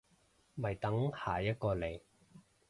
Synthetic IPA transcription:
mɐ˨˩jt̪ɐ˨˥ŋhaː˨˩jɐ˥t̚kɔː˧le˨˩j

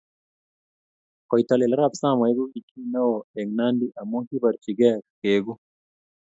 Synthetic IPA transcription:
kɔ˨jtalɛ˨laɾabsa˦mɔ˨ɛ˦ɡu˦i˨kʰi˦na˦wɔɛ˨ŋna˦ndiʔa˨mu˦ki˦ba˨ɾt͡ʃi˨ɡɛkkeɡu˦

